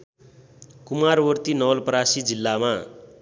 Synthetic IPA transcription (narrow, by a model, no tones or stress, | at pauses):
kumarwʌrt̪inʌwʌlpʌɾasid͡zilːama